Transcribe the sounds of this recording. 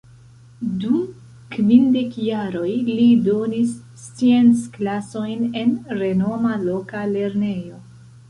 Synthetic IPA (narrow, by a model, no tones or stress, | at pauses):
dum | kvinde̞kjaɾo̞jlido̞nis | t͡sient͡sklaso̞jne̞nɾe̞no̞malo̞kale̞ɾne̞jo̞